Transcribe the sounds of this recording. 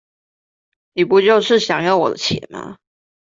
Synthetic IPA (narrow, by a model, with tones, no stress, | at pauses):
ni˨˩pu˧˥t͡ɕjo˥˧ʊʂɻ̩˥˩ɕjɑ˨˩ŋjɑ˥˩ʊwɔ˨˩d̪ə̰˦t͡ɕʰjɛ̰˨˩˦mɐ̰˨˦